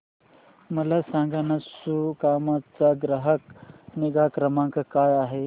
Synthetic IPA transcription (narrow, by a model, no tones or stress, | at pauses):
mɐlasãŋɡanɐsukaːmat͡saɡɾɐɦəkneɡaːkɾɐmãŋkɐkaːjaːɦe